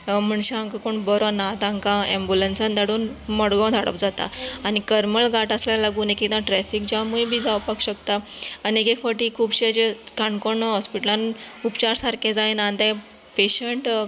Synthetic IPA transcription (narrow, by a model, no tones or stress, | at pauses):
m̤əɳɕaãŋkakoɳbɔɾɔnat̪ãŋkãẽmbulensand̪ʱaɽuːnmɔɽɡɔ̃d̪ʱaɽə̰pd͡zat̪a̰añikəɾməɭɡaʈasljalaɡuːnekekt̪ãʈɾɛfikd͡ʑamujibʱiːd͡zawpakɕəkt̪aːniekekfaʈiːkʰuːbɕd͡ʑekaɳkoɳɦɔspiʈəlãnupt͡ɕaɾsaɾkẽd͡zajnãnd̪a | peɕeɳʈ